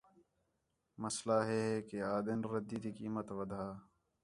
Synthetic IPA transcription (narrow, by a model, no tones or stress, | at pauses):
məslaːɦɛːɦɛːkeaːd̪ɪnɾəd̪iːt̪ikiːmət̪ʋəd̪ʱaː